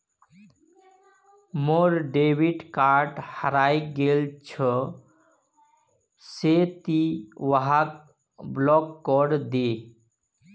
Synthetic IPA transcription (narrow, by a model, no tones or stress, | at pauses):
moɾɖebʱiʈkaɾʈhaɾajɡelt͡ʃʰɔ | set̪iwaɦak | blɔkːɔɾd̪e